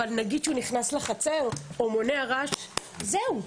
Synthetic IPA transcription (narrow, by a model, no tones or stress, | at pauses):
alnaɡidʃeuniχnasleχat͡se̞ʁomo̞ne̞aʁaʃ | zeu